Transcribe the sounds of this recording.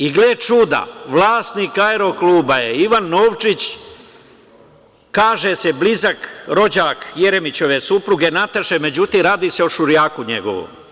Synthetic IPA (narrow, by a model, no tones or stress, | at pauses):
iɡlet͡ʃud̪a̰ʋlˠaːst̪nikaeɾo̞kluːbajeiʋanːoːʋt͡ʃit͡ɕ | kaːʒese̞blizakɾo̞d͡ʑaːkjeɾe̞mit͡ɕo̞ʋesupɾuɡe̞nat̪aʃeme̞d͡ʑut̪iːmɾaːd̪iːseoʃuɾjaːkuɲe̞̰ɡo̞̰ʋo̰m